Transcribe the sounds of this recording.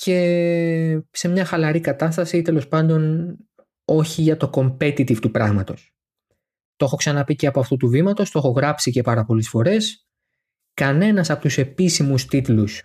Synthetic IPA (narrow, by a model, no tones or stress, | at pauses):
ce̞ | se̞mɲɐxɐlɐɾikɐt̪ɐst̪ɐsit̪e̞lo̞spɐnd̪o̞n | o̞çiʝɐt̪o̞ko̞mpe̞t̪it̪ivt̪upɾɐɣmɐt̪o̞s | t̪o̞xo̞ksɐnɐpiceɐpo̞ɐft̪ut̪uvimɐt̪o̞st̪o̞xo̞ɣɾɐpsice̞pɐɾɐpo̞lesfo̞ɾe̞s | kɐne̞nɐsɐpo̞t̪use̞pisimust̪it̪lus